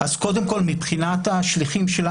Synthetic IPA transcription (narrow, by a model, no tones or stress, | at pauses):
ʔazko̞d̪emko̞lmipχinat̪aʃliχimʃel